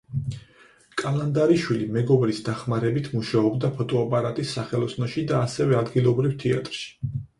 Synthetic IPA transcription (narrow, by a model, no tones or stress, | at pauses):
kʼalˠand̪aɾiʃwilimɛɡɔbɾisd̪aχmaɾɛbit̪ʰmuʃaɔbd̪apʰɔt̪ʼɔapʼaɾat̪ʼisːaχɛlˠɔsnɔʃid̪aːsɛvɛad̪ɡilˠɔbɾivt̪ʰɛa̰t̪ʼɾʃi̥